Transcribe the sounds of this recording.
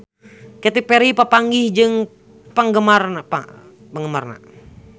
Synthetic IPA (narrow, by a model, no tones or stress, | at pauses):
kɛt̪ipeɾipapaŋɡɪhd͡ʒɨŋ | paŋɡəmarnapa̰ | paŋɡəmarna̰